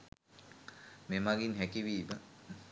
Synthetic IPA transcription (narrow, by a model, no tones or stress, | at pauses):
memaɡinɦækiʋiːmə